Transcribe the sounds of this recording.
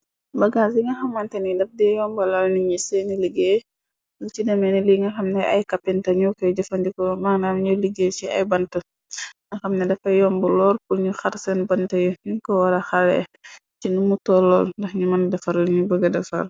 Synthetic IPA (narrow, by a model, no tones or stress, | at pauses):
bɐɡas̬iŋɐxɐmːɐntɐnidɐfdɛjɔmbɐlalniɲisɛniliɡeː | nut͡ʃidɐmɛniliŋɡɐxɐmnɛʔɐ̰jkɐpːɛntɐɲukɔjd͡ʒɐfɐndikɔmaŋnamɲuliɡet͡ʃiɐ̰jbɐntɐ | ŋɐxɐmnɛdɐfɐjɔmbɐlɔːɾpuɲuxɐɾsɛnbɐntɐjuniŋkɔwɐɾɐxɐlɛ̰ | t͡ʃinumutɔlːɔlndɐxɲumɐndɐfɐɾliɲubəɡɐdɐfɐ̰l